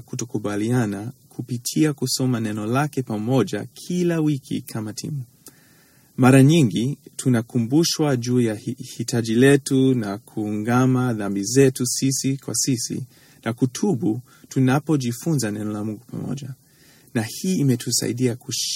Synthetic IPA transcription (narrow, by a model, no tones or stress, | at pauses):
kutɔkuɓalianakʰupitʰiakusɔmanɛnɔlakɛpamɔʄa̰kʰilawikʰḭkʰamatʰḭmu | maɾaɲiŋɡitʰunakumbuʃwaʄuːjahitʰaʄilɛtunakʰuːŋɡamaðambizɛtusisikwa̰sisḭ | nʔakutʰuɓu | tunapɔʄifunzanɛnɔlamuŋɡupa̰mɔ̰ʄa | nahiːmɛtʰusa̰ḭɗiakuʃ